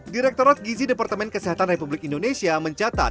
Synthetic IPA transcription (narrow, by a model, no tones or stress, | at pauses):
diɾɛk̚t̪oɾat̪̚ɡizidepart̪əmɛnkəsiɦat̪anrepublikindonesiaməɲt͡ʃat̪a̰t̪̚